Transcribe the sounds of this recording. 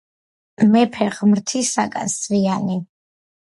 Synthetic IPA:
mɛpʰɛʁmɾt̪ʰisaɡʼa̰nsviani

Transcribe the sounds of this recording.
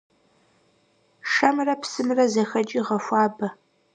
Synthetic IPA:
ʂɐmrɐpsɨmrɐzɐxɐd͡ʒʼiːʁɐfʷɑːbɐ

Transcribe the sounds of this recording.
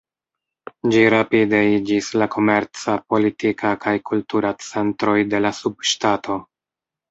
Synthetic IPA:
d͡ʒiɾapide̞id͡ʒislakʰo̞me̞ɾt͡sapo̞litikʰakʰajkultuɾat͡se̞ntɾo̞jde̞lasubʃtatʰo̞

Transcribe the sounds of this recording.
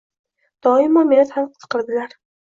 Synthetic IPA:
d̪̥ɒɪmɒmelat̪hamqʰɨ̥t̪ʰɨ̥qʰɨlˠd̪ɪlaɾ

